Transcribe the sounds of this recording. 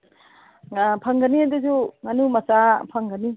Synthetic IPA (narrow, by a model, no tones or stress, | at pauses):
pʰɐŋɡɐniad̪uzuŋanumɐsapʰɐŋɡɐni